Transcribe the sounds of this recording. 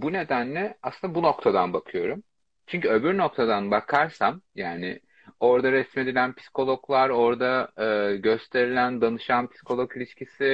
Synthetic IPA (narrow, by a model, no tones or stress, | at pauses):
bune̞d̪ænlːʲɛasˠɯnabuno̞kt̪ʰad̪anbakʰɯjo̞ɾum | t͡ʃʰyɲcʰyø̞byɾno̞k̚t̪ʰad̪anbakʰaɾsamjaːnɪ̰ | o̞ɾd̪aɾɛsme̞d̪ilʲænpʰi̥si̥kʰo̞lˠo̞klˠaɾo̞ɾd̪aɯːɟø̞st̪ʰe̞ɾilʲænd̪anɯʃanpʰi̥si̥kʰo̞lˠokilʲiʃcisi